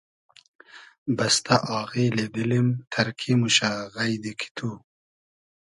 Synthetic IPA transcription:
bast̪aʔɑːɣiled̪ilimt̪ʰɐɾkʰimuɕaɣajd̪ikʰi̥t̪ʰu

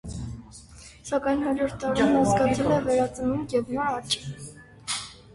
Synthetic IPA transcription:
sɑkɑjnhɦɑd͡ʒɔɾt̪ːɑɾinɑzɡɑt͡sʰɛlɛvɛɾɑt͡sənumjɛvnɔɾɑt͡ʃʼi

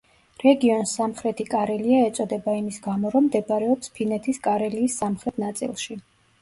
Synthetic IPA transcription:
ɾɛɡiɔnsamχɾɛt̪ʰikʼaɾɛliaɛt̪sʼɔd̪ɛbaimisɡamɔɾɔmːd̪ɛbɾɛɔpspʰinɛt̪ʰiskʼaɾɛliːsːamχɾɛt̪ʰnat̪sʼḭlˠʃi

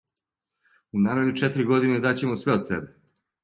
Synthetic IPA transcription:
unaːɾed̪ut͡ʃet̪ɾiɡo̞d̪ined̪at͡ɕemosʋeod̪sḛbe

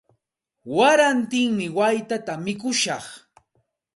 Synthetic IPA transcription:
waɾant̪ɪŋmɪwajt̪at̪amɪkʊʃɑχ

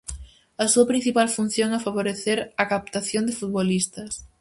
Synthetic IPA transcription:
ɐsuɐpɾin̟θipalfun̟θjoŋafaβoɾeθeɾɐkap̚t̪aθjond̪ɪfut̪̚βolist̪ɐs

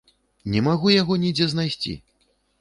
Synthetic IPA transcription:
nʲɛmaɣujaɣɔnʲid͡zʲɛznajsʲt͡sʲḭ

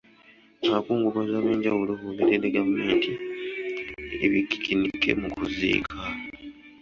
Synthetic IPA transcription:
akuːŋɡuβozaːβe̞ːɲɟawulohuliɾeleɡame̞ːntʰi | ḛβikːi̥kʰinikʰːe̞̰mukuzḭːkʰa

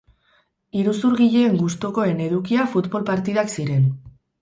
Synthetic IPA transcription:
iɾusuɾɣiʎe̞ːŋɡust̪oko̞e̞ne̞ðukiafut̪βo̞lpaɾt̪iðaksiɾe̞n

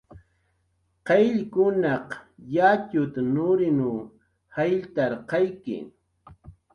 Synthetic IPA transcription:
qeʎkʊnɑqjat͡ʃʊt̪anʊɾɪnu | hajʎt̪aɾqɑjkɪ̰

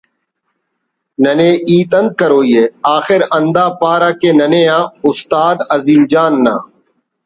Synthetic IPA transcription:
nəneːʔiːt̪ənd̪̚kəɾoːiːeːaːxɪɾənd̪aːpaːɾaːkeːnəneːãːʊst̪aːd̪əziːmd͡ʒaːnːãː

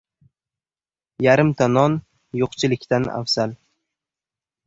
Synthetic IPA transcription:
jaɾɪmt̪ʰanɒn | joqt͡ʃʰɪlɪkʲt̪ana̰fz̥al

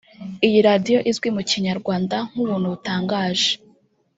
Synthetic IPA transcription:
ijiɾaːdijo̞ʔizwimuciɲaɾɡwaːndaŋ̥uβuːn̥huβutaːŋɡaːʒe

